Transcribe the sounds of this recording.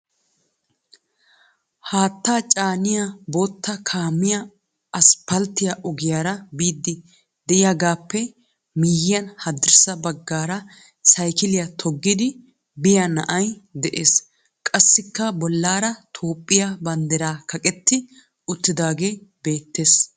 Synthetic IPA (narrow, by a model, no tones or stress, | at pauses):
haːt̪ːaːt͡ʃʼaːnɪjaboːt̪ːɐkʰaːmːɪjɐ | ɐspɐlt̪ːɪjaʔɔɡɪjaːɾɐbiːd̪ːɪ | d̪ɛʔɪjaːɡaːpːɛ | miːjɪjɐnhɐd̪ɪɾsɐbɐɡːaːɾɐ | sɐjkɪlɪjɐt̪ʰɔɡːɪd̪ɪ | bɪjanɐ̰ʔɐjd̪ɛʔe̞ːs | kʼɐsːɪkːɐbɔlːaːɾɐt̪ʰo̞ːpʼːɪjabɐnd̪ɛɾaːkʰɐkʼɛt̪ːɪ | ʊt̪ːɪd̪aːɡe̞ːbe̞ːt̪ːe̞ːs